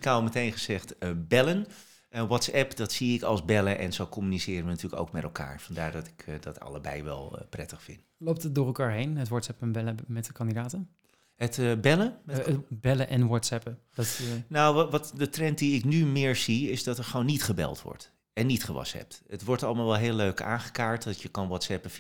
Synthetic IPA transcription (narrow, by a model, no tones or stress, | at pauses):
kaɔlˠmətejnχəzɛχtəbɛlən | ənʋɔtsɛpdɑtsiɪkɑ̰lˠzbɛləʔɛ̰nzowkɔmynisɪːɾənʋənatyːləko̰wkmɛtɛ̰lˠka̰ːɹfɑnda̰ːɹdɑtɪ̥kdɑtɑ̰ləbɛ̰jʋɛ̰l̰ˠprɛtəχfɪ̰ntlowp̚tət̚dʊːrəlˠkaːɹɦejnɦətʋɔtsɛpənbɛləmɛtəkɑndidaːtən | ɦətbɛləmɛbɛləʔɛnʋɔtsɛpədtnowʋɑtdətrɛnt̚diɪknymɪːɹziɪzdɑtɛɹχəownːitχəbɛ̰lˠtʋɔ̰ɹt | ɛnːitχəʋɑ̰sɛ̰p̚tətʋɔɹtɑlˠəmaːlˠʋɛlˠɦeːlːøɥka̰ːnχə̥kaːɹtdɑtjəkɑnʋɔtsɛpə